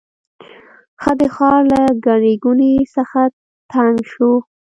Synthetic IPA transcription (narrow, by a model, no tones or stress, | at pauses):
xəd̪əxɑɾlaɡaneɡunisəxa | t̪ʰaŋɡʃu